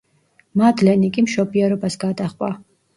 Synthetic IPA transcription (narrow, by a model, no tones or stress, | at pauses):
mad̪lɛnikʼimʃɔbiɛɾɔbasɡad̪aχʼwa